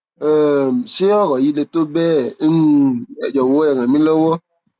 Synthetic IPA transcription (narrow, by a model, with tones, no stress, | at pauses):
ɛ˨m˨se˦ɔ˦ɣɔ˨ji˦le˧to˦bɛ˦ | ɛ˨d͡ʒɔ˨wo˨˦ɛ˨ŋã˨mĩ˦lɔ˦wɔ˦